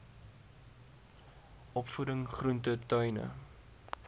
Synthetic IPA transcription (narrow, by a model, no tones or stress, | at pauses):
ʔɔpfudəŋχruntətœjnə̰